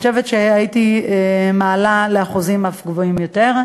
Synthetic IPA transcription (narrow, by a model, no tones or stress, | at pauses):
oʃevetʃeajitiemaːlaleaχuzimafɡvoimjo̞teʁ